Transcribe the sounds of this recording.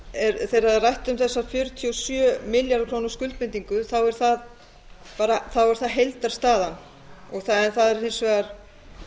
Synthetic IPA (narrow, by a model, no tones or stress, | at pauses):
ɛɾθejɾaðɛrajht̪ʏmθɛsːafjʏɾt̪ʰiɔsjœːmɪljaɾðkʰɾoːwnʊ̥skʏlt̪̚mɪnt̪iŋkʏθawɛɾ̥θað | paːɾaθawɛɾ̥θaðɦejlt̪aɾ̥st̪aːðan | ɔɣθaɛnθaðɛɾejnsvɛːɣaɾ̥